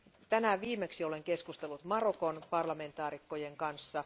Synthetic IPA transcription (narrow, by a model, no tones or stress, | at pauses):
t̪ænæʋiːmeksio̞le̞ŋke̞skust̪elːut̪mɑrokonpɑrlɑme̞nt̪ɑːɾikːojeŋkɑnsːɑ